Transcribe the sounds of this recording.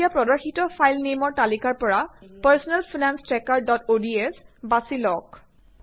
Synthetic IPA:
iapɹɔdɔɹxitɔpʰajlnemɔɹtalikaɹpɔɹapaɹsɔnɛlpʰinanstɹɛkaɹdɔtodiesbasilɔk

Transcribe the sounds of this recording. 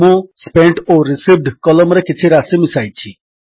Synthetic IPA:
õspeɳʈoɾisiʋɖkɔlɔmɾekit͡sʰiɾasimisajt͡ɕʰi

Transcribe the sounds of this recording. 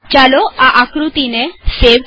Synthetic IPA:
t͡ʃaloaʔakɾut̪ineseb

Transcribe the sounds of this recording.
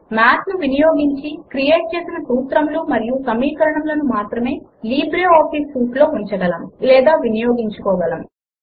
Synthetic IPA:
maːt̪nuʋinijoːɡiɲt͡ʃikɾijeːʈ̚t͡ʃe̞ːsinɐt̪uːt̪ɾɐmluːmɐɾijusɐmiːkɐɾɐɳɐmlɐnumaːt̪ɾɐme̞ːliːbɾeɔːpiskuːʈlo̞ːuɲt͡ʃɐɡɐlɐmlɛːd̪aːʋinijoːɡiɲt͡ʃukɔːʋɐlɐm

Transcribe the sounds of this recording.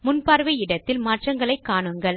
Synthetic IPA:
mʊnpaːɾʋɐɪɽɐt̪ːɪlmaːʈrɐŋɡɐɭɐɪkːaːɳɯŋɡɐɭ

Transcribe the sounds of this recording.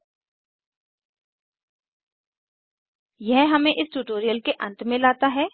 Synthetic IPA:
jɛɦɦɐmẽʔɪsʈuːʈoːɾijəlkeʔɐ̃nt̪mẽlaːt̪aɦɛː

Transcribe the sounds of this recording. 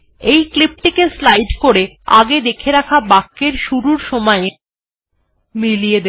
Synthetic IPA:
ejklip̚ʈikeslajɖkoɾe | a̰ɡed̪ekʰeɾakʰabakːeɾʃuɾuɾʃɔmɔe | milijed̪e

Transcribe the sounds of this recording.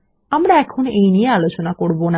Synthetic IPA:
amɾaɛkʰonejniealot͡ɕonakoɾbona

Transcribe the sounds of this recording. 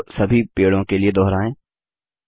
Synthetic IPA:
sɐbʱipeːɽõkelied̪ɔɦɾaːẽː

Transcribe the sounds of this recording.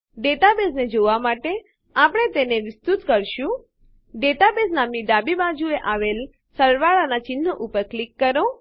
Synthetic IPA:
ɖeʈabesned͡ʒoʋamaʈe | apɽ̃et̪eneʋɪst̪ut̪kəɾʃũ | ɖeʈabesnamniɖabibad͡ʒueʔaʋel | səɾʋaɭanat͡ʃɪnːəʔupəɾklikːəɾõ

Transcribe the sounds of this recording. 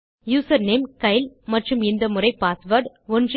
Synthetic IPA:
juːsɐɾneːmkɐɪlmɐʈrɯmɪnd̪ɐmʊrɐɪpːaːsʋɐɾɖ | ɔndr

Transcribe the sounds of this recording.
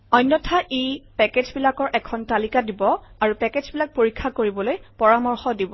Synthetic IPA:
ɔjnːɔtʰaʔepɛked͡ʒbilakɔɹʔɛkʰɔntalikadibɔaɹupɛkezbilak̚poɹikʰːakoɹibɔlojpɔɹamɔɹxɔdibɔ

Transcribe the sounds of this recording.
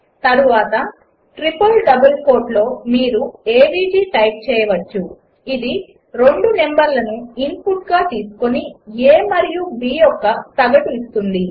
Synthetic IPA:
t̪ɐɾuʋaːt̪ɐ | ʈɾipɐlɖɐbɐlko̞ːɾʈlo̞ːmiːɾueːbiːd͡ʒiːʈɐjp̚t͡ʃɛːjɐʋɐt͡ʃːu | id̪i | ɾe̞ɳɖune̞mbɐɾlɐnuimpuʈɡaːt̪iːsu̥ko̞nieːmɐɾijubiːjɔkːɐt̪ɐɡɐʈuist̪und̪i

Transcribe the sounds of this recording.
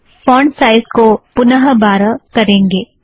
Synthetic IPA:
fɔːɳɖsaːɪzkopʊnəɦəbaːɾəkɐɾẽːŋɡeː

